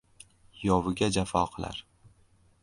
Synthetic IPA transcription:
jɒwɪɡʲad͡ʒafɒqʰɨlˠa̰ɾ

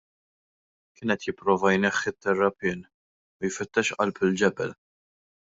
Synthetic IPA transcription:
kɪːnɛt̪jɪpːɾɔːvɐjnɛxːɪt̪ːɛrːɐpɪːn | ʊjfɪt̪ːɛʃʔɐ̰lpɪld͡ʒɛbɛl

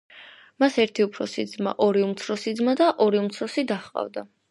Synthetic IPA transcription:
masɛɾt̪ʰiupʰɾɔsid̪zma̰ʔɔɾiumt̪sʰɾɔsid̪zmad̪aʔɔɾiumt̪sʰɾɔsid̪aχqʼa̰vd̪a

